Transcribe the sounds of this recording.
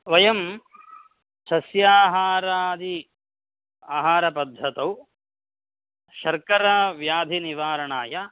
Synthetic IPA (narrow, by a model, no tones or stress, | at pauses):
ʋɐjɐm | sɐsjaːɦaːɾaːd̪i | aːɦaːɾɐpɐd̪ʱːɐt̪ɐw | ʃɐɾkɐɾaʋjaːd̪ʱiniʋaːɾɐɳaːjɐ